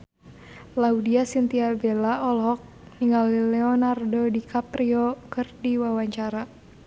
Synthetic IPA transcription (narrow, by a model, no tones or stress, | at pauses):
laudiasint̪iabɛlaɔlɦɔk̚niŋɡalilɛɔnardɔdikʰapriɔkɨrdiwawaɲt͡ʃaɾa